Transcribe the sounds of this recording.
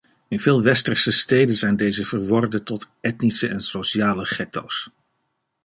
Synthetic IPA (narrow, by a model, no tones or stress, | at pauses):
ɪnvɪːlˠʋɛstərsəstejdənzɛjndejzəvəɹʋɔrdətɔt | ɛtnisəʔɛnsoʃiaːləχɛto̰ws